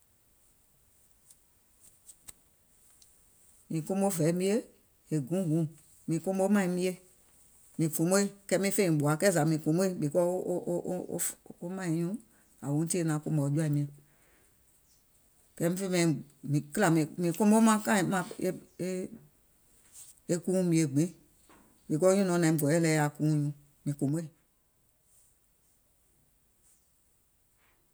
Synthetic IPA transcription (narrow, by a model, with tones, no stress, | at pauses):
mĩ˨kõ˦mo˦vɛ˨˦mĩ˦e˦ | e˨ɡũ˨˦ɡũ˨˦ | mĩ˨kõ˦mo˦mã˦ĩ˧˦mĩ˦e˦ | mĩ˨fũ˨˦mo˦i˦kɛ˦mĩ˦fẽ˦ĩ˨ɓo˨a˨˦kɛ˦za˨mĩ˨fũ˨˦mo˦i˦ɓe˨kɔ̰˦o˦mã˦ĩ˨˦ɲũ˦ | a˨wõ˨˦ti˦nã˨˦kõ˦mɔ˨˦d͡ʒu˦a˦˨i˨mĩ˧ɛ̃˨ | kɛ˦mĩ˦fe˦mɛ̃˨mĩ˨kɨ˦la˨mĩ˨mĩ˨kõ˦mo˦mã˦kã˦˨˦mã˦˨e˦e˦ | e˦kũː˦mĩ˧˦e˨ɡ͡bĩ˨˦ | ɓe˨kɔ˦ɲũ˦nɔ̃˧˦nã˨ĩ˨ɡɔ˨ɛ˦lɛ˧˦a˨kũː˦ɲũ˨˦ | mĩ˨kõ˨mo˦i˦˨